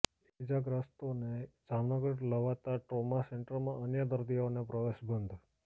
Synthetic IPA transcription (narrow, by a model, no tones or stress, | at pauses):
ed͡ʒaɡɾəst̪oned͡ʒamnəɡəɾləʋat̪aʈɾomaseɳʈəɾmãənjəd̪əɾd̪ionepɾəʋeʃbənd̪ʱ